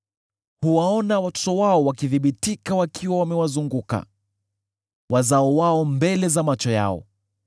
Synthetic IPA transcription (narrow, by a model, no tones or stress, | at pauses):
huwaɔnawatɔ̥tɔwaɔwakiðiɓitikawakʰiwawamɛwazuŋɡuka̰ | wʔazaɔwaɔmbɛlɛzamat͡ʃɔja̰ɔ̰